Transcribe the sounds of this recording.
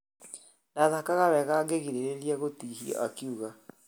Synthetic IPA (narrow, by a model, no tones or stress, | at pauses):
naðakaɣaβɛɣaɡeɣiɾeɾeɾiaɣotihiɔ̰ʔakiuɣa